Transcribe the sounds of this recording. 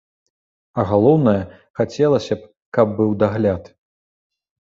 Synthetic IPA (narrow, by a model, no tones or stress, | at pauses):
ɐɣalˠɔwnɐjɐ | xat͡sʲɛlˠɐsʲɐp̚ | kɐb̚ːɨwd̪aɣlʲat̪